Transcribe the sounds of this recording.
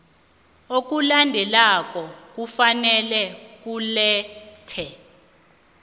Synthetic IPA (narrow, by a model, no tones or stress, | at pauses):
ok̬ulandʱɛlak̬ʼɔk̬ufanɛlɛk̬ulɛːtʰɛ